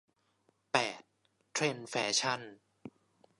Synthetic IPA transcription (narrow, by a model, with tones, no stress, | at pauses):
pɛː˨˩t̪̚ːʰ | ɾe˧nfɛː˩˥t͡ɕʰa˥˩n